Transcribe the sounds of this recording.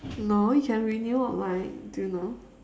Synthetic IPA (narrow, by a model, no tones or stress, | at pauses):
noʊjkʰɛ̃nɹinjuəʔlaɪk̚dɨno